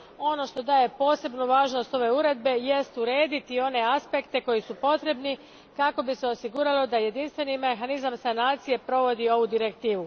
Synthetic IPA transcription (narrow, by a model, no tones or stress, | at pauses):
o̞no̞ʃt̪o̞d̪aːje̞po̞ːse̞bnuʋaːʒno̞st̪o̞ʋe̞uɾe̞d̪̚be̞je̞st̪uɾeːd̪it̪io̞ne̞aspe̞kt̪e̞ko̞jisupo̞t̪ɾe̞bni | kako̞biseo̞siɡuɾalo̞d̪aje̞d̪inst̪ʋe̞nime̞xanizamsanaːt̪sije̞pɾo̞ʋo̞d̪io̞ʋud̪iɾe̞kt̪iːʋu